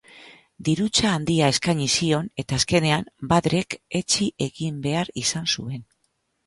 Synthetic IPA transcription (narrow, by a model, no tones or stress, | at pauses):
d̪iɾut͡saːnd̪iae̞skaɲisio̞ne̞t̪aːske̞ne̞ambaðɾe̞ke̞t͡ʃiʔe̞ɣimbe̞aɾisansue̞n